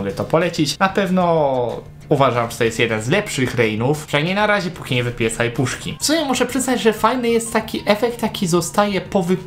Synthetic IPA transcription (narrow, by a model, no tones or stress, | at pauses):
ɡlɛt̪ɔpɔlɛt͡ɕit͡ɕnapɛvnɔ | uvaʐamʐɛ̥t̪ɔjɛst̪jɛd̪ɛnzlɛpʂɘxɾɛjnufʐ̥ɛɲɛnaɾaʑɛpukʲiɲɛvɘpʲjɛsajpuʂkʲḭsɔɲamuʂɛpʂɘznad͡ʑʐɛfajnɘjɛst̪ːakʲiʔɛfɛk̚t̪jakʲizɔst̪ajɛpɔvɘ